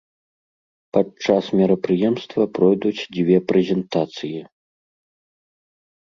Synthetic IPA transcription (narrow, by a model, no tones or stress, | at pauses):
pɐt͡ʂasmʲɛɾɐpɾɨjɛmst̪vɐpɾɔjd̪ut͡sʲd͡zʲvʲɛpɾɛzʲɛnt̪at̪sɨji